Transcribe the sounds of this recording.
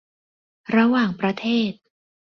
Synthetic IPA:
ɾa˧waː˨˩ŋpɾa˧t̪ʰeː˥˩t̪̚

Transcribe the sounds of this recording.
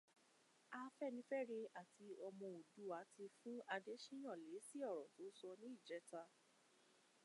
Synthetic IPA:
a˧fɛ˦˨nĩ˧˦fɛ˦ɾe˧a˦˨ti˧ɔ˧mɔ̃˧o˨du˨˦a˨˦ti˧fũ˦a˧de˦ʃĩ˦j̃ã˦˨le˨˦si˦ɔ˦˨ɾɔ˨to˨˦sɔ˧nĩ˦i˦˨d͡ʒɛ˨˦ta˧

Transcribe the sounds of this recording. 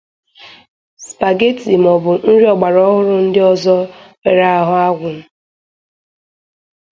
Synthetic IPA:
spa˨ɡe˦ti˨m˨ɔ˨bʊ˨n̩˦ɾi˦ɔ˨ɡ͡ba˨ɾɔ˦ɦʊ˦ɾʊ˦n̩˦dɪ˦ɔ˦zɔ˦pe˨ɾa˦a˦ɦʊ˦a˦ɡʷʊ˨m̩˦˨

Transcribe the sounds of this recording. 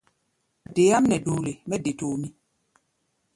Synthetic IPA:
de˨˦a˦m˦nɛ˨do˨le˨mɛ˦de˨to˨mi˦

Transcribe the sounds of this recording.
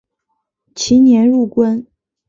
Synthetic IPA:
t͡ɕʰi˧˥njɛ˧˥nɻu˥˩kwə˥n

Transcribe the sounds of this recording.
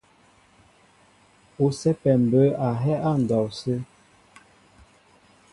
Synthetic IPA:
o˨sɛ˦pɛ˨m˨bə˨˦a˨ɦɛ˦ʔa˦˨n̩˨dɔ˨wsə˦

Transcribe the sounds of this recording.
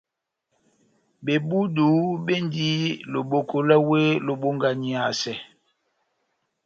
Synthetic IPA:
be˨bu˦duː˨˦ɓe˦ndi˦lo˨ɓo˨ko˨lɛ˦we˦lo˨ɓo˦ŋɡa˨ɲi˦a˨sɛ˨

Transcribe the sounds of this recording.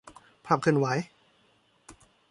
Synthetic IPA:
pʰa˧˩p̚kʰɯː˧˨nwa˩˦j

